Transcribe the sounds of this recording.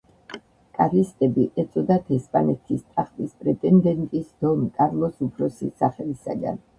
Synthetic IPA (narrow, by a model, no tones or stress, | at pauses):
kʼaɾist̪ʼɛbiʔɛt̪sʼɔd̪at̪ʰɛspʼanɛt̪ʰist̪ʼaχpʼispʼɾɛt̪ʼɛnd̪ɛnt̪ʼisd̪̥ɔmkʼaɾlˠɔsupʰɾɔsisaχɛlisa̰ɡa̰n